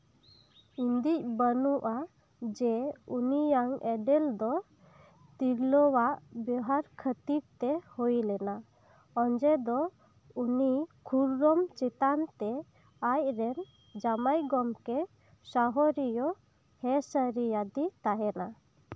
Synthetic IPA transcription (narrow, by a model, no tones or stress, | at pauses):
ind̪ic̚bənuʔa | d͡ʒɛunijaŋɛɖɛld̪ɔ | t̪iɾlɔwaʔbɔɦaɾkʰət̪iɾt̪ɛhujlɛna | ɔɲd͡ʒɛd̪ɔ | unikʰuɾɾɔmt͡ʃɛt̪ant̪ɛ | ajɾɛn | d͡ʒamajɡɔmkɛ | saɦɔɾijɔ | hɛsəɾijad̪it̪aɦɛna